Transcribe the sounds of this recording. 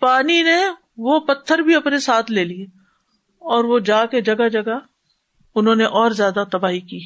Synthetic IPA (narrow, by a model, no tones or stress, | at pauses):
paːnine | ʋopɐt̪ʰːəɾbʱiɐpnesaːt̪ʰleːlie | ɔːɾʋod͡ʒaːked͡ʒɐɡad͡ʒɐɡa | ʊnɦõːneʔɔːɾzjaːd̪at̪ɐbaːɦikiː